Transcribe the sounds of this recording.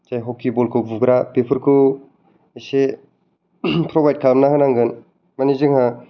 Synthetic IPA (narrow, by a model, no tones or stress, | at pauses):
tajɦɔkibɔlkʰɯbuɡɾapepʰɯɾkʰu | ese | pʰɾɔbajd̚kʰalmnaɦɯnaŋɡɯn | manizɯŋha